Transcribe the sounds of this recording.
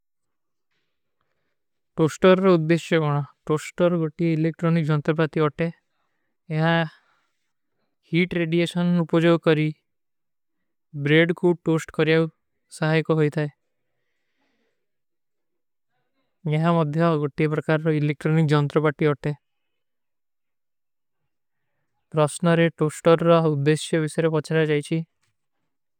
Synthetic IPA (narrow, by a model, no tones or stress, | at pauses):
ʈosʈɔɾɔɾɔud̪ːeʃjɔɡɔɽ̃ɔʈosʈɔɾɔɡoʈieilek̚ʈɾɔnikd͡ʒɔnt̪ɾɔpaɾt̪iɔʈeː | ɦa | hiʈɾeɖiesɔnupɔd͡ʒoɡɔkɔɾi | bɾeɖkuʈosʈkɔɾiaw | saɦajkɔɦojt̪ʰae | eɦamɔd̪ʱjɔɡoʈiepɾɔkaɾɔɾɔilek̚ʈɾɔnik̚d͡ʒɔnt̪ɾɔpaɾʈiɔʈe | pɾɔsnɔɾeʈosʈɔɾːɔud̪ːesjɔbisɔjɾepɔt͡ʃʰaɾad͡ʒajt͡ʃʰi